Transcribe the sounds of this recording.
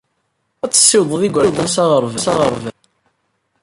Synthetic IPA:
æt͡sːə̥sːɪwðˤðiɡʷɾwðˤənsɑʁəɾˤvəsɑʁəɾˤvən

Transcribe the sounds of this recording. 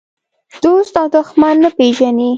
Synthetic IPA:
d̪̥ost̪ɑd̪ʊxmanːəpeʒani

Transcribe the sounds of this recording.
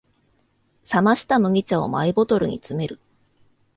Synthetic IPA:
samaɕi̥t̪amɯ̟ɡʲit͡ɕao̞̰maibo̞t̪o̞ɾɯ̟̰ɲ̟it͡sɨme̞ɾɯ̟

